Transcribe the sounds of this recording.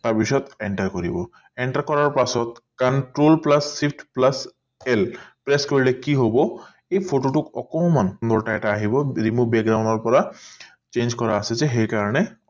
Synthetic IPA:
t̪aɹbisɔt̪eɳʈaɹkoɹḭbɔ | eɳʈaɹkɔɹaɹpasɔt̪̚kanʈɹolplasːipʰʈʰplas | ɛlpɹeskeɹilekiɦobɔ | ejpʰoʈoʈʊkɔkɔmannd̪ɔɹʈajʈaːɦibɔɹimubek̚ɡɹawnɔɹpɔɹa | t͡ʃend͡ʒkɔɹa̰ːsɛzɛɦejkaɹɔnɛ

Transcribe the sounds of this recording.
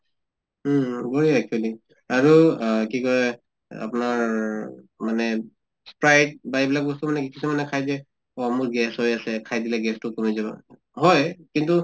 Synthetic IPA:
ɡoɹiɛk̚t͡ʃuali | aɹukikɔɹɛ | a̰pnaɹ | manɛ | spɹajt̚baebilak̚bɔstumanɛkikisumanɛkʰajdɛ | ɔamuɹɡɛshojasɛkʰajdilɛɡɛstʊkomizaba̰ | ɦɔjkintu

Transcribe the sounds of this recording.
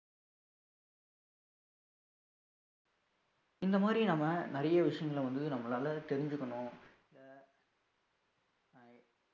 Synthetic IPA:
ɪnd̪ɐmaːd̪ɾinɐːmːɐnɐɾɐjɐʋɪʂɐjɐŋɡɐɭʋɐnd̪ɯnɐmːɐlaːlɐt̪ɛɾɪɲd͡ʒɯkːɐɳʊ̃ | ɪlɐ

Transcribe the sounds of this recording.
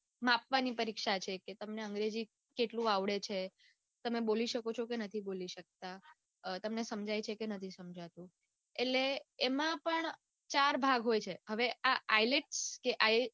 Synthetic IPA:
mapʋanipəɾikʃat͡ʃʰeket̪əmneəŋɡɾed͡ʒi | keʈlũaʋɭet͡ʃʰe | t̪əmeboliʃəkot͡ʃʰokenət̪ʰiboliʃək̚t̪a | t̪əmnesəmd͡ʒʱajt͡ʃʰekenət̪ʰisəmd͡ʒʱat̪ũ | eʈleːmãpəɳ | t͡ʃaɾbʱaɡɦojt͡ʃʰeɦəʋeaajleʈskeʔaj

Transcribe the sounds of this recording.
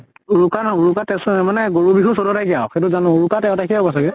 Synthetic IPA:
uɹukanɔuɹukatɛsmanɛɡoɹubiɦusodɔtajkijaxet̬uzanɔuɹukatɛʊ̃takʰiɦɔbɔsaɡɛ

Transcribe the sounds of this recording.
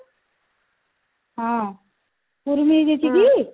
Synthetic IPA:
ɦã | puɾmid͡ʒet͡ʃʰiɡi

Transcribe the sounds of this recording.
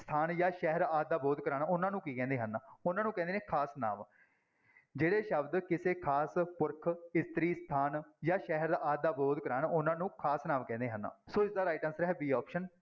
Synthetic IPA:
st̪ʰaːnjaːʃɛɦɾaːd̪̚ːaːboːd̪kəɾaːnʊnãːnũːkiːkɛ̃ːnd̪eːɦənaːʊnãːnũːkɛ̃ːd̪eːnẽːkʰaːsna̰ːm | d͡ʒeːɽeːʃəbd̪kɪseːkʰaːspʊɾkʰɪst̪ɾiːst̪ʰaːnjaːʃɛːɦəɾd̪aːʔaːd̪̚ːaːboːd̪kəɾaːnʊnãːnũːkʰaːsnãːmkɛ̃ːnd̪eːɦə̃nd̪a̰ːsoːɪsd̪aːɾaːɪʈənsɾɛɦɛːbiːɔːpʃən

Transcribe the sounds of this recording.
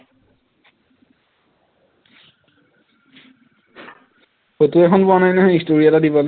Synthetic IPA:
xotuɛxʰɔnpʊanajnɛɦɔjistoɹiatadibɔl

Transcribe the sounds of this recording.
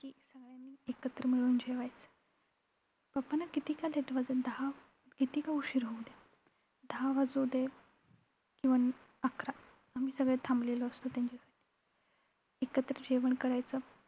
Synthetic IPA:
kiːsəɡɭjanːiːekət̪ɾəmiɭuːnd͡ʑeʋajt͡sə̥ | bapanakit̪iːkaleʈʋad͡zəd̪aa | kit̪iːkauɕiɾɦowd̪e | d̪ʱaaʋad͡zud̪e | kĩwʋan | akɾa | am̤iːsəɡɭet̪ʰãmblelɔːst̪ot̪jãɲt͡ɕasḁʈʰi̥ | ekət̪ɾəd͡ʑeʋəɳkəɾajt͡sə

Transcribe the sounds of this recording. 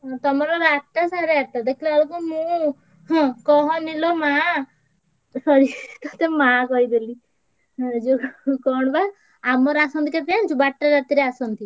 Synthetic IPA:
ɔ̃t̪ɔmɔɾɔɾaʈːasaɾeat̪ad̪ekʰilɔalokumũ | ɦɔ̃kɔɦɔ̃nilɔma | sɔɾiɾit̪ɔt̪emakɔid̪elĩ | d͡ʒokɔɽ̃ɔba | amɔɾasɔnt̪ikepiant͡ʃʰubaʈːaɾat̪iɾeasɔnt̪i

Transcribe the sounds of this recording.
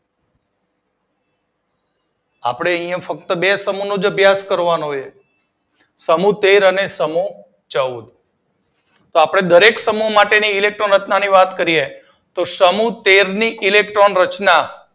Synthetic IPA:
a̰pɽ̃eəĩjə̃fək̚t̪əbesəmunũd͡ʒəbʱjaskəɾʋanɦoje | səmut̪eɾənesəmu | t͡ʃəud̪ | t̪oapɽ̃ed̪əɾeksəmuɦmaʈeniːlek̚ʈɾonɾət͡ʃnaniʋat̪kəɾie | t̪osəmut̪eɾniʔilekʈɾonɾət͡ʃna

